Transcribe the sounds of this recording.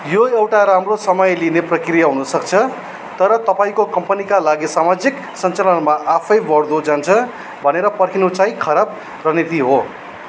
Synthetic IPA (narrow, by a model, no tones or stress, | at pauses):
joewʈaɾamrosʌmʌjlineprʌkrijaɦunʌsʌkt͡sʰʌ | t̪ʌɾʌt̪ʌpaĩkokʌmpʌnikalaɡisamad͡zik | sʌnt͡salʌnmaʔapʰʌjbʌrd̪od͡zant͡sʰʌ | bʱʌneɾʌpʌrkʰinot͡saĩkʰʌɾab̚ | rʌnit̪iɦo